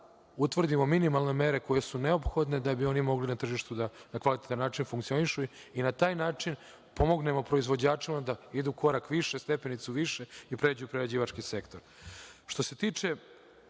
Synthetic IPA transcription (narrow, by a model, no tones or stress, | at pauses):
ut̪ʋr̩d̪imo̞minimalˠne̞me̞ɾe̞ko̞jesuneopxo̞d̪ne̞d̪abio̞nimo̞ɡlinat̪r̩ʒiʃt̪ud̪anakʋalit̪et̪anːaːt͡ʃinfuŋkt̪sio̞niʃuinat̪aːjnaːt͡ʃin | po̞mo̞ɡne̞mo̞pɾo̞izʋo̞d͡ʑaːt͡ʂimad̪aid̪uko̞ɾakʋiʃest̪e̞pe̞nit̪suʋiʃeipɾe̞d͡ʑujupɾeɾad͡ʑiːʋat͡ʃkise̞kt̪o̞ɾ | ʃt̪o̞se̞t̪iːt͡ʃe̞